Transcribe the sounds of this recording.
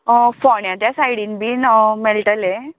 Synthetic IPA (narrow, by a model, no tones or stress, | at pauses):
fɔɳjãt̪jasajɽinbiːnmelʈəle